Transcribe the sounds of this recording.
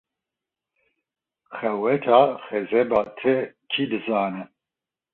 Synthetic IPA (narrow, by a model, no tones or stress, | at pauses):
xɛwɛt̪ʰaːxɛzɛbaːt̪ʰɛkʰid̪ɨzaːnɨ